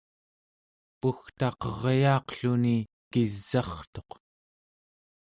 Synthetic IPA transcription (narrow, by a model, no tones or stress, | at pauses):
puxt̪ɑqʌʁjɑːqɬuni | kizːɑχt̪o̞q